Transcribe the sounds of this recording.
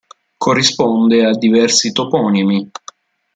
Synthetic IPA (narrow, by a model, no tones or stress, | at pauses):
kʰorːispond̪ead̪ːivɛrsit̪opɔːnimi